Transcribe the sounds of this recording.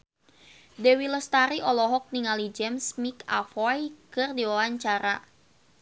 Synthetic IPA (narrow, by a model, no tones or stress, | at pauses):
dɛwilɔst̪aɾiʔɔlɔɦɔk̚niŋalid͡ʒɛmsmika̰fɔjkɨrdiwawaɲt͡ʃaɾa̰